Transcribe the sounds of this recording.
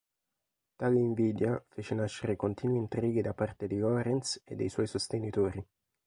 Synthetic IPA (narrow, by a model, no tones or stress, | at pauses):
t̪aːleiɱviːd̪jafeːt͡ʃenaʃːeɾekont̪iːnwint̪ɾiːɡid̪apːart̪ed̪iɡɔɾɛnt̪sḛd̪ːejswɔjsost̪enit̪oːɾi